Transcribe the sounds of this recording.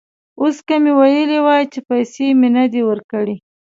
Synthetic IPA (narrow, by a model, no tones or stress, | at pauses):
oskamewajəlewɑjt͡ʃepajsemenad̪ewəɾkəɽi